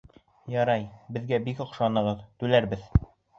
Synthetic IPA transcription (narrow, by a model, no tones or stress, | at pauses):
jɑɾɑjbɘ̆ðɡæbikŏqʃɑnɤ̆ʁɤðt̪ʉlæɾbɘð